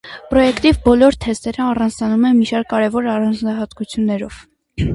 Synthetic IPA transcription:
pɾɔjɛkt̪ivbɔlɔɾt̪ʰɛst̪ɛɾəɑrɑnd͡znɑnumɛnmiʃɑɾ̚kːɑɾɛvɔɾɑrɑnd͡znɑɦɑt̪kut͡sʰjunːɛɾɔ̰v̥

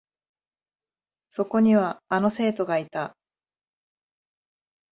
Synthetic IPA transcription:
so̞ko̞ɲ̟iβaːno̞se̞ːt̪o̞ɡait̪a

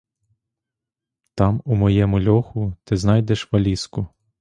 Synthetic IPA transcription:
t̪ɑmumɔjɛmʊlʲɔxʊt̪ɪznɑjd̪ɛʃʋɐlʲiskʊ

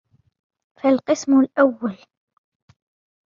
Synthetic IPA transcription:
falqɨsmʊlʔawːal

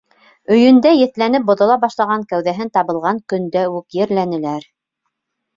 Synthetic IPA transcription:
ɵ̆jɵ̆nd̪æjɘ̆θlænɘp̚bŏðŏlˠɑbɑʃlˠɑʁɑŋkæwðæɦɘnt̪ɑβɤ̆lˠʁɑŋkɵ̆nd̪æʉkjɘ̆ɾlænɘ̆læɾ

